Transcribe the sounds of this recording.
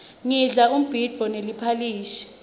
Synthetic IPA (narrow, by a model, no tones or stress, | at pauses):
ŋiɮak̬um̩b̥ʱidvɔnelipʰaliːʃi̥